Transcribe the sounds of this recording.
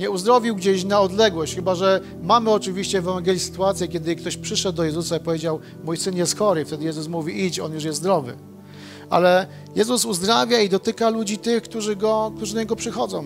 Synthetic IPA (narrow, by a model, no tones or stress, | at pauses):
ɲɛuzd̪ɾɔvʲiwɡd͡ʑeɕnaɔd̪lɛɡwɔɕt͡ɕxɘbaʐɛ | mamɘɔt͡ʂɘvʲiɕt͡ɕɛːvɛvaŋɡʲɛlʲisɘ̥t̪uat̪sʲjɛkʲjɛd̪ɘkt̪ɔɕpʂɘʂɛd̪̚ːɔjɛzusaipɔvʲjed͡ʑaw | mujsɘnjɛst̪xɔɾɘft̪ɛd̪ɘjɛzusmuvʲiit͡ɕɔ̰njuʂ̬jɛst̪d̪ɾɔvɘ̰ | ʔa̰lɛ | jɛzusuzd̪ɾavʲjaid̪ɔt̪ɘkalud͡ʑit̪ɘxkt̪uʐɘɡɔk̚t̪uʐɘd̪aɲɛɡɔpʂɘxɔd̪zɔ̰̃w̃